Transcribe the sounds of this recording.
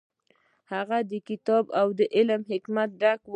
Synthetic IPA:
haɣad̪əkɪt̪ɑbawd̪əʔɪlmhɪkmat̪̚ɖakw

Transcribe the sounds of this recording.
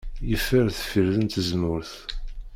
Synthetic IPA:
jəfəɾθəfiɾðənt̪əzmʊɾθ

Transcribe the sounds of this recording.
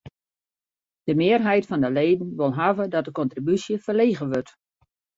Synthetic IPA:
d̥əmɪːərɦɛjtfɔndəleːdn̩ʋɪlˠɦavədɔt̚dəkɔntribysjəfərleːɣəʋøt

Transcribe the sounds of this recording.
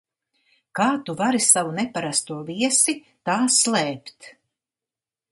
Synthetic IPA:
kaːt̪uvaɾisavunɛpaɾast̪uɔviɛsi | t̪aːslˠɛːpt̪

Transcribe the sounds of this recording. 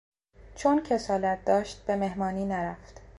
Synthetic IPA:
t͡ʃʰoncʰe̞sɒːlæt̪̚d̪ɒːʃt̪̚b̥e̞me̞hmɒːniːnæɾæft̪

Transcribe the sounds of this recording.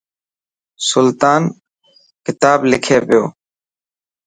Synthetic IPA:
sʊlt̪aːn | kɪt̪aːblɪkʰeːpɪjo̰ː

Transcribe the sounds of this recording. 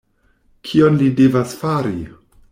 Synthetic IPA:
kʰionlidevasfaɾi

